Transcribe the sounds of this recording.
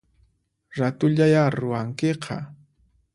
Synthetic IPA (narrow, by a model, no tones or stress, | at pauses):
ɾat̪ʊʎajaɾʊwaŋkeqʰɑ̰